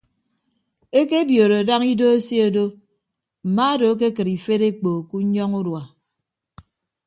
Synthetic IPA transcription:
e˦ke˦bjo˨ɾo˨a˨da˦ŋi˦do˦e˦si˦o˨do˦ | m̩˨ma˦a˦do˨˦k̬e˦k̬ɨ˨ɾi˨fe˦ɾe˦k͡po˨ku˦ɲɔ˦ŋu˦dwa˨

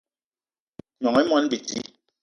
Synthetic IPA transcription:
ɲɔ˨ŋɛ˨˦mɔ˦nbi˨ti˦

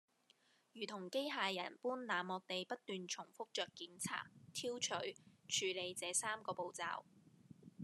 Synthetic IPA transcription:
jyː˨˩t̪ʰʊ˨˩ŋke˥jɦaː˨˧jɐ˨˩npuː˥nlaː˨mːɔː˨˧k̚t̪e˨jpɐ˥t̚t̪yː˨˧nt͡ʃʰʊ˨˩ŋfʊ˥k̚t͡ʃœː˨kkːiː˨˥nt͡sʰa̰ː˥t̚t̪ʰiː˥wt͡ʃʰɵ˨˥ɥt͡ʃʰyː˨˧le˨˧jt͡sɛː˨˧saː˥mkɔː˧po˨wt͡sa̰ː˧w

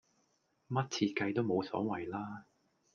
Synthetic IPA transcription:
mɐ˥t̚t͡sʰiː˧t̚kɐ˧jt̪o˥wmo˨˧wsɔ̰ː˨˥wɐ˨˩jlaː˥

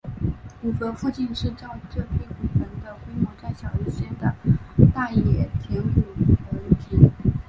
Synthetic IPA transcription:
u˨˩fə˧˥fu˥˧t͡ɕi˥˧nʂɻ̩˥˧ʈ͡ʂɑ˥˧ʊʈ͡ʂɤ˥˧pʰi˥˩nu˨˩fə˧˥nd̪ə˧xwe˥ɪmɔ˧˥t͡sa˥˩ɪɕjɑ˨˩ʊi˧˥ɕjɛ˥˩d̪ə˩t̪a˥˩jɛ˨˩t̪ʰjɛ˧˥u˨˩˨xə˧˥u˥˩t͡ɕi˥˩n

